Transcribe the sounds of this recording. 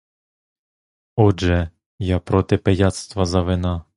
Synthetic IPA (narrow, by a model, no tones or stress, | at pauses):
ɔʒɛ | japɾɔt̪ɪpɛjat̪st̪ʋɐzɐʋɪna